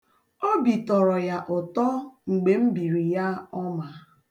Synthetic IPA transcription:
o˦bi˨tɔ˨ɾɔ˨ja˨ʔʊ˨tɔ˦ŋ͡m̩˨ɡ͡be˨m̩˦bi˨ɾi˨ja˦ɔ˦ma˨

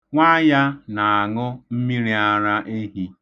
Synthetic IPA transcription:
ŋʷa˦ja˦na˨a˨ŋʊ˦m̩˦mi˦ɾi˨a˦ɾa˦ʔe˦ɦi˦

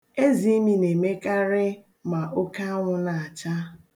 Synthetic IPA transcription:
e˦zi˨˦mi˨ne˨me˦ka˦ɾɪ˦ | ma˨ʔo˦ka˦a˦ŋʷʊ˦na˨a˨t͡ʃa˦

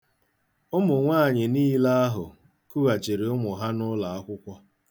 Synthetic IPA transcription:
ʊ˦mʊ˨ŋʷaː˦˨ɲɪ˨niː˦la˦a˦ɦʊ˨ | ku˦ɣa˨t͡ʃe˨ɾe˨ʊ˦mʊ˨ɦa˦nʊ˦la˨a˦kʷʊ˦kʷɔ˦

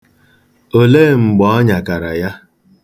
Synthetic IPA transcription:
o˨leː˦˨ŋ͡m̩˨ɡ͡bɔ˦ɔ˦ɲa˨ka˨ɾa˨ja˦

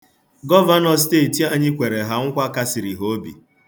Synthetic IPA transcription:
ɡɔ˦va˦nɔ˨s̬teː˦˨ti˨a˦ɲɪ˦kʷe˨ɾe˨ɦa˨ŋ̩˦kʷa˦ka˦si˨ɾi˨ɦo˦bḭ˨

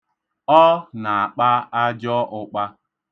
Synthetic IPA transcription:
ɔ˦na˨a˨k͡pa˦a˦d͡ʒɔ˦ʔʊ˨k͡pa˦

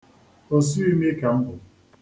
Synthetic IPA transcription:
o˨s̬u˦i˦me˦ka˨m̩˦bʊ˨

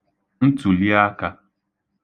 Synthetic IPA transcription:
n̩˦tu˨li˦a˦ka˦

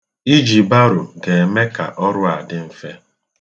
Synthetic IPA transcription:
i˦d͡ʒi˨ba˦ɾʊ˨ɡe˨e˨me˦ka̰˨ʔɔ˦ɾʊ˦a˨dɪ˦m̩˦fe˦

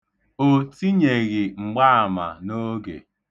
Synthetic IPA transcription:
o˨ti˦ɲe˨ɣi˨ŋ͡m̩˨ɡ͡ba˦a˨ma̰˨no˦ɡḛ˨

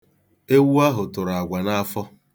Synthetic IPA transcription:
e˦wu˦a˦ɦʊ˨tʊ˨ɾa˨ɡʷa˨na˦a˦fɔ˦

